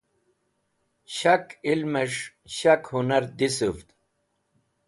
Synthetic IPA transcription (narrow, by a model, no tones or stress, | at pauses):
ɕɐkilmeʂ | ɕakhunɐɾd̪isuft̪